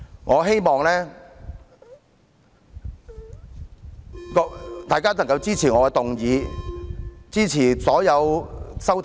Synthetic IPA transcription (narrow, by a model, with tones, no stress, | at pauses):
ŋɔː˨˧ɦe˥jmɔː˨ŋlɛː˥ | kɔ˧t̪aː˨˩jkaː˥n˨˩ŋkɐ˧wt͡siː˥t͡sʰiː˨˩ŋɔː˨˧kɛ˧t̪ʊ˨ŋjiː˨˧ | t͡siː˥t͡sʰiː˨˩sɔː˨˥jɐ˨˧wsɐ˥wt̪ʰ